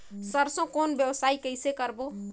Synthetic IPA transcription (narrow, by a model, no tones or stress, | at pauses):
səɾsə̃konbjəwsaikəɪsekəɾbo